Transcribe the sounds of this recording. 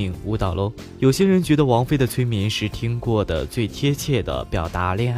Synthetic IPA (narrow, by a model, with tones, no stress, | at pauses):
i˧˩ŋu˧˥t̪ɑ˨˩ʊlʔo˥ | jo˨˩ʊɕjɛ˥ɻə˧˥nt͡ɕɥɛ˧˥d̪ə˧wɑ˧˥ŋfe˥˩ɪd̪ə˩t͡sʰwe˥ɪmi˧˥nʂɻ̩˥˩t̪ʰi˥ŋkwɔ˥˩d̪ə̰˩t͡swe˥˩ɪt̪ʰjɛ˥t͡ɕʰjɛ˥˩d̪ə̰˩pjɑ˨˩ʊt̪a˧˥ljɛ˥˧n˥˩